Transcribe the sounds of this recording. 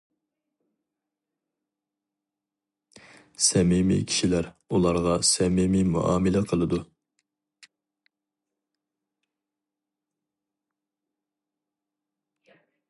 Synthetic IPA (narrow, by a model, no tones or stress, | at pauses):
sɛmimḭkʲʰi̥ʃilæɾ | ulˠɑɾʁɑsɛmimimṵʔɑ̰ːmɪlɛqʰəlˠɨd̪u